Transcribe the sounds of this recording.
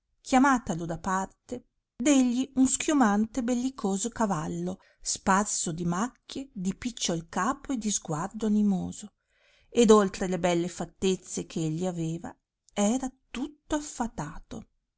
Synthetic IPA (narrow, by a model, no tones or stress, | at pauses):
kjamaːt̪alod̪apart̪e | d̪eʎːiunskjumant̪ebelːikʰoːzokavalːo | sparsod̪imakːjed̪ipit͡ʃːoalkaːpoed̪izɡward̪oanimoːzo | ed̪olt̪ɾelebɛlːefat̪ːet̪sːekʰeeʎːiaveːva̰ | ɛːɾat̪ut̪ːoafːat̪aːt̪o